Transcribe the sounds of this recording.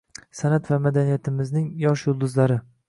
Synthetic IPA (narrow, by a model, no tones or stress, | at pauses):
sanat̪vamad̪anijat̪ʰɪmɪznɪŋjɒʃjʊlˠd̪ʊzlaɾɪ